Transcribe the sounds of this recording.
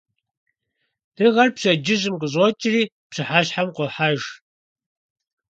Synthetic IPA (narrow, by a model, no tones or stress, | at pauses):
d̥ɨʁɐrpɕɐd͡ʒɪʑʼɨmqəɕ̬ʼot͡ʃʼɪriː | pɕɨħaɕħamqʷɔħaʒ